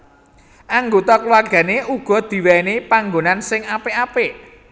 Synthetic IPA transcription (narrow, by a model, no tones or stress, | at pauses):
ʔaŋɡot̪ɔklwarɡ̥ä̤neʔuɡ̥ɔ̤d̪̥i̤wɛnepaŋɡonansɪŋapeape